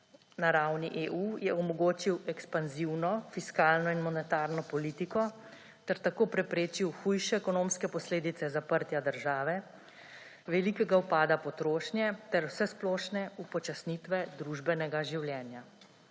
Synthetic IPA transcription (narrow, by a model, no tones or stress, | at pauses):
naɾawniʔeʔujɛɔmɔɡoːt͡ʃiwɛkspanziwnɔfiskaːlnɔinmɔnɛt̪aɾnɔpɔliːt̪ikɔ | t̪ɛɾt̪akoːpɾɛpɾeːt͡ʃiwxujʃɛːkɔnoːmskɛpɔsleːd̪it̪sɛzapəɾt̪jad̪əɾʒaːʋɛ | ʋɛlikɛɡawpaːd̪apɔt̪ɾoːʃnjɛt̪ɛɾwsɛsplɔːʃnɛupɔt͡ʃasnit̪ʋɛd̪ɾuʒbɛnɛɡaʒiwljɛːnja